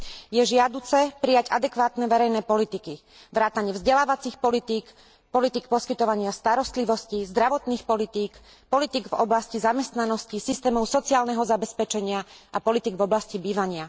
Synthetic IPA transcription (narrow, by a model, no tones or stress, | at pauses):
jɛʒɪad̪uːt͡sɛpɾijaɟa̰d̪ɛkʋaːt̪nɛʋɛɾɛjnɛːpɔlit̪iki | ʋɾaːt̪aɲɪɛvzɟɛlaːʋat͡sixpɔlit̪iːk | pɔlit̪ik̚pɔskit̪ɔʋaɲɪast̪aɾɔst̪liʋɔscizd̪ɾaʋɔt̪niːxpɔlit̪iːk | pɔlit̪iɡvɔ̰blascizamɛst̪nanɔscisist̪ɛːmɔʊsɔt͡siaːlnɛɦɔzabɛspɛt͡ʃɛɲɪaʔapɔlit̪iɡvɔblascibiːʋaɲɪa